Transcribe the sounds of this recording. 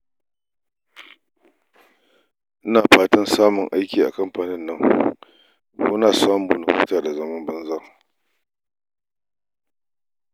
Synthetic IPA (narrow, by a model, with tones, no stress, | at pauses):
ʔɪ˦naː˨ɸaː˦tɐ˦nsaː˦mʊ˨ŋʔa˦jkʲiː˨ʔa̰˨kɐ˦mɸaː˨nɪ˦nːɐ˦ŋ | kṵ˦naː˨sa˦mbʊ˨nʊ˨ɸɪ˦taː˨da˨zɐ˦mɐ˦mbɐ˦nzɐ˦˨ŋ